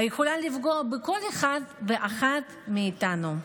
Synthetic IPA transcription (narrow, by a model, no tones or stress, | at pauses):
ajexolalifɡoabeko̞leχadveʔaχat | miːtanu